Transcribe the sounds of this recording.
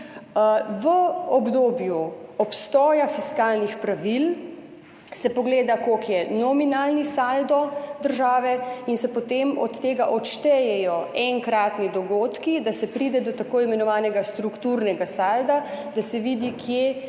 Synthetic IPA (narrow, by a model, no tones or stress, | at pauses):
ʋəɔbd̪oːbjuɔpst̪ɔːjafiskaːlnixpɾaʋil | sɛpɔɡleːd̪akokjɛnɔminaːlnisald̪ɔd̪əɾʒaːʋɛinsɛpɔt̪emɔt̪ːeːɡaʔɔtʃt̪ɛjɛjɔɛŋkɾaːt̪nid̪ɔɡoːt̪kid̪asɛpɾiːd̪ɛd̪ɔt̪akoːimɛnɔʋaːnɛɡast̪ɾukt̪uɾnɛɡasaːld̪ad̪asɛʋid̪ikʰje